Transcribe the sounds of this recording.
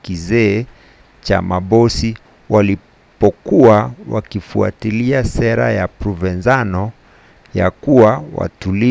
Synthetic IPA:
kizɛː | t͡ʃa̰maɓɔsi | wali | pɔkuawa̰kifua̰tiliasɛɾa̰japɾuvɛnzanɔ | ja̰kuwawa̰tuli

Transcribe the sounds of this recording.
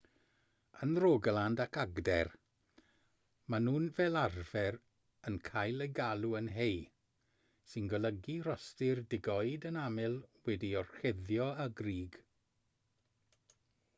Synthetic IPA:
ənroɡlˠandakʰaɡdɛr | manuːnvɛːlˠarv̥ɛɾ | ənkʰajlˠəɡalˠuənɦej | sɪnɡəlˠəɡirɔstɪrdɪɡɔjdənamɪlˠwɛdiɔr̥xɛðjɔaɡriːɡ̥

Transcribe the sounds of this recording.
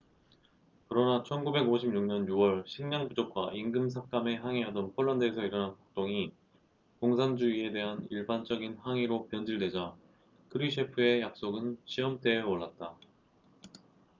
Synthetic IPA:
kɯɾʌnat͡ɕʰʌnɡube̞ɡoɕʰimɲuŋɲʌnjuwʌɭɕʰiŋɲaŋbud͡ʑok̚k͈waiŋɡɯms̬ʰak̚k͈ame̞ɦaŋiɦadʌnpʰʌɭːandɯesʰʌiɾʌnɦanpak̚t͈oŋi | koŋsʰaŋd͡ʑuie̞de̞ɦaniɭbant͡ɕ͈ʌɡinɦaŋiɾopjʌnd͡ʑiɭde̞d͡ʑa | kʰɯɾiɕʰepʰɯe̞jak̚s͈oɡɯnɕʰiʌmt͈e̞ʌɭːat̚t͈a

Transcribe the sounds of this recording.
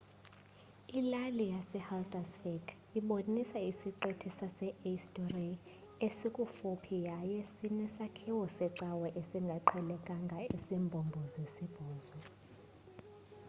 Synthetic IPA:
ilalijasɛhaldʼasfɛɡ | iɓonisaisiǃotʰisasɛʔistʼɔri | esikʼufupʰijajesinɛsakʰiwɔsɛǀawɛʔesiŋɡʱaǀʰɛlɛkʼaŋɡʱaesimbʱɔmbʱɔzesib̥ʱɔːzɔ

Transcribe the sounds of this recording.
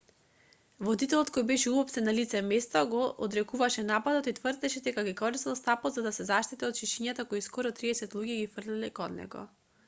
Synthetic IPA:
vɔd̪it̪ɛlˠɔt̪̚kɔjbɛʃɛubɔpsɛnːalit̪sɛmɛst̪aɡɔʔːd̪ɾɛkuvaʃɛnapad̪ot̪it̪vrd̪ɛʃɛd̪ɛkaɡikɔɾist̪alˠst̪apɔd̪zad̪asɛzaʃt̪it̪iɔt̪ʃiʃiɲat̪akɔjskɔɾɔt̪ɾiɛsɛt̪lˠuɡiɡifr̩lilɛkɔnːɛ̰ɡɔ̰

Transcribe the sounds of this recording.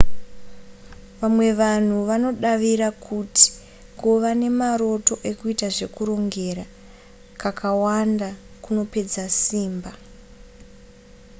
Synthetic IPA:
ʋamwe̞ʋan̤uʋano̞ɗaʋiɾakʰuti̥ | koʋane̞maɾo̞to̞ʔe̞kuitaʐe̞kuɾo̞ŋɡe̞ɾa | kakʰawandakuno̞pe̞d͡zasiːmba

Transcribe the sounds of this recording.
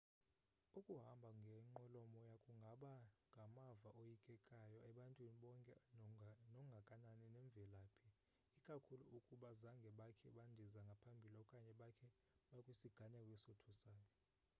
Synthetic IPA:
ukʼuɦambʱaŋɡʱɛŋ͡ǃɔlɔmɔjakʼuŋɡʱaɓaŋɡʱamavaʔojikʼɛkʼajɔʔɛɓantʼwiniɓɔŋkʼɛ | nɔŋɡʱakʼananinɛɱb̪vʱɛlaːpʰi | ikʼakʰuluʔukʼuɓazaŋɡʱɛɓakʰɛɓandʱizaŋɡʱapʰambʱiliɔkʼaɲɛɓakʰɛ | ɓakʼwisiɡ̥ʱaɲakʼwɛsotʰusaːjɔ

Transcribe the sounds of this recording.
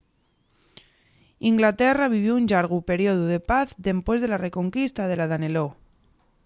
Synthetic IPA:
iŋɡlat̪eraβ̞iβ̞jouɲʎaɾɣupe̞ɾjoðuð̞e̞paθd̪e̞mpwe̞zðe̞lare̞ko̞ŋkist̪aðe̞laðanelo

